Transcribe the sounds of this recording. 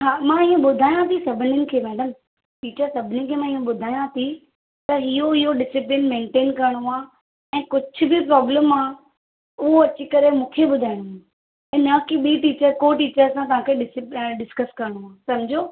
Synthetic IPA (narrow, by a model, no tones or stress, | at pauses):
ɦaːmãɪjũɓʊd̪ʱaːjãt̪ʰisɐbʱɪnjənɪ̆kʰeːmɛːɖəm | ʈiːt͡ɕəɾsɐbʱɪnikʰeːmãːɪjũɓʊd̪ʱaːjãt̪ʰi | t̪ɐɦijoɪɦoɖɪsɪplɪnmẽːɳʈeːnkɐɾəɽ̃oaː | ɛ̃ːkʊd͡ʑʱʰʊ̆bɪpɾɔːbləmaː | ʊɦoɐt͡ɕikɐɾemũːkʰeɓʊd̪ʱaːɪɽ̃ | ɪ̃ːnɐkiɓiːʈiːt͡ɕəɾkoʈiːt͡ɕəɾsãt̪̬ɐʋ̤ɦãkʰeɗɪsɪpɖɪskəskɐɾəɽ̃oaːsɐmd͡ʑʱoː